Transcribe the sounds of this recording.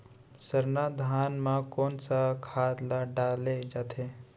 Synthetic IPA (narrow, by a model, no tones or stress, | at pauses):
səɾnad̪ʱaːnmãkoːnsakʰaːd̪laɖaːled͡ʒaːt̪ʰe